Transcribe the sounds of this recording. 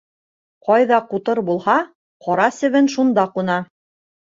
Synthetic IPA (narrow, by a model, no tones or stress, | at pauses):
qɑjðɑqut̪ɤɾbulˠhɑ | qɒɾɑsɘ̆βɘnʃund̪ɑqunɑ